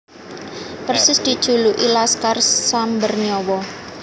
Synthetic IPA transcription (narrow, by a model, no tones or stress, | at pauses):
pərsɪsd̪̥i̤d̥ʒ̥ṳluʔilaskarːambərniɔwɔ